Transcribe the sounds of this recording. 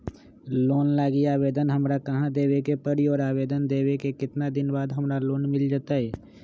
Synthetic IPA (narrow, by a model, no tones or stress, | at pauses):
loːnlaːɡiaːbeːd̪ənɦəmɾakəɦãd̪eːwekepəɽiɔːɾaːbeːd̪ənd̪eːwekekɪt̪nad̪ɪnbaːd̪ɦəmɾaloːnmɪld͡ʒaːt̪aɦɛː